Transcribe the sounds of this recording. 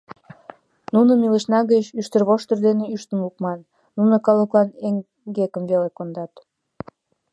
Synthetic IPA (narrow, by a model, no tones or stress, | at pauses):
nunəmilə̆ʃnɑɣət͡ɕyʃt̪ərβoʃt̪ə̆rd̪eneyʃt̪ənlukmɑnː | unɤ̆kɑlokɑneŋ | ɡekəmvelekond̪ɑt̪